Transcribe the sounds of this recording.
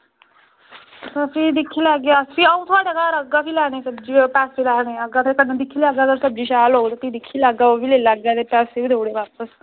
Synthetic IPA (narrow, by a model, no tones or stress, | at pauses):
ssid̪ikʰilaɡjaəsiəwt̪ʰaʈekaɾəɡːafʰilanesəbd͡ʑiːpasfiːlaːneəɡat̪ʰekənːad̪ikʰːiːlaɡjat̪əɾsəb̚d͡ʑiːɕaːloɡt̪əɾt̪iːd̪ikʰːiːlaɡaəʋilelaɡjat̪epæsibid̪ʱewɽebap̚əs